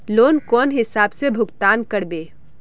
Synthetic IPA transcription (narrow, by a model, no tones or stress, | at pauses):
loːnkɔːnɦɪsaːbsebʱʊɡt̪aːnkəɽbeː